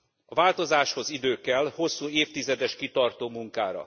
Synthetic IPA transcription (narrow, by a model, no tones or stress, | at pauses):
ɒvaːlt̪o̞zaːʃho̞zid̪øːkɛlho̞sːuːeːft̪izɛd̪ɛʃkit̪ɒrt̪oːmuŋka̰ːɾɒ̰